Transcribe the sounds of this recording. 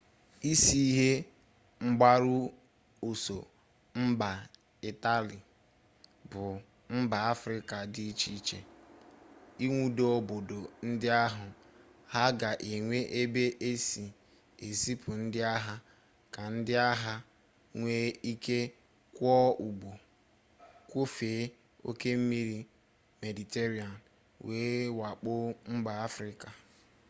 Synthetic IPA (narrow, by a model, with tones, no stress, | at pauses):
i˦si˦ɦe˦ | ŋ͡m̩˦ɡ͡ba˦ɾʊ˦ | o˨so˨ | m̩˦ba˨ | i˨ta˦lɪ˨ | bʊ˨ | m̩˦ba˨a˦fɾɪ˦ka˨dɪ˦i˦t͡ʃi˦t͡ʃe˨ | i˦ŋʷu˦do˦o˦˨bo˨do˨n̩˦dɪ˦a˦ɦʊ˨ha˦ɡa˨ʔe˨ŋʷe˦ʔe˦be˦ʔe˦si˨ | e˨si˦pʊ˨n̩˦dɪ˦a˦ɦa˦ | ka˨n̩˦dɪ˦a˦ɦa˦ | ŋʷe˦i˦ke˦ | kʷɔ˦u˨ɡ͡bo˨ | kʷo˦feː˨˦ | o̰˦ke˦m̩˦mi˦ɾi˦ | me˨di˨te˦ɾi˦a˨n | weː˨˦wa˨k͡pʊ˦ŋ͡m̩˦ɡ͡ba˨a˦fɾɪ˦ka˨